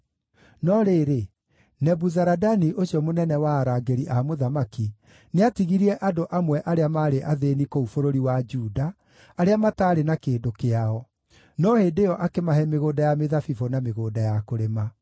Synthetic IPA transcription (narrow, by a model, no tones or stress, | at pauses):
nɔɾeːɾe | nɛbuzaɾadaniʔoɕiɔmonɛnɛwaːɾaːɡeɾiʔamoðamaki | neatiɣiɾiɛʔadoʔamwɛʔaɾeamaɾeʔaðenikoufoɾoɾiwad͡ʒuːdaː | ɾeamataːɾenakeːndokeaɔ | nɔheːndejɔʔakemaɦɛmeɣoːdajameðafifonameɣoːdajakoɾema